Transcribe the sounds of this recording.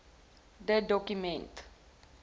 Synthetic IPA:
dədɔkjumɛ̃nt

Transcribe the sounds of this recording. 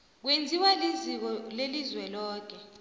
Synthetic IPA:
k̬wend͡zʱiwalizik̬ɔlelizwɛlɔːk̬ɛ

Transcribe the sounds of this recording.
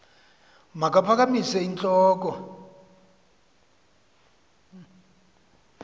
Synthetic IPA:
makapʰak̬amisɛint͡ɬʼɔːk̬ʼɔ

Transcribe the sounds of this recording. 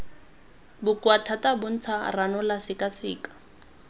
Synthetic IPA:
bʊkwatʰatabʊn̩t͡sʰaranʊlasɪkasɪ̰ːkḁ

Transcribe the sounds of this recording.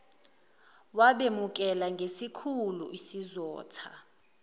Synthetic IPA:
waɓemuk̬ʼɛlaŋɡʱesikʰulṵʔisizɔ̰ːtʰa

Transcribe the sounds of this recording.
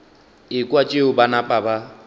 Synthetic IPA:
ɪkʼwat͡ʃʼeʊbanapʼaba

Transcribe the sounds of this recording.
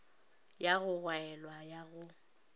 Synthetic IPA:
jaɣʊɣwaɛlwajaɣʊ

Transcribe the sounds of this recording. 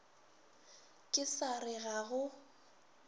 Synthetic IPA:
kʼɪsarɪɣaɣʊ

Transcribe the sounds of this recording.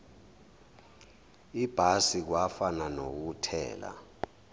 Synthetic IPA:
ib̥ʱasik̬wafananok̬utʰɛ̰ːla̰

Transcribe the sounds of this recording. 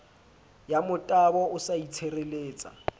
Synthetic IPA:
jamʊtʼabɔʊsait͡sʰereleːt͡sʼa̰

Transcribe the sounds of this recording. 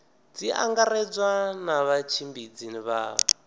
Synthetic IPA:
d͡ziʔa̰ŋɡaɾɛd͡zwanaβat͡ʃʰimbid͡ziniβaːβɔ

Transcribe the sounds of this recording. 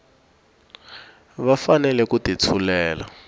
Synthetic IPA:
βafanɛlɛkutit͡sʰulɛːla̰

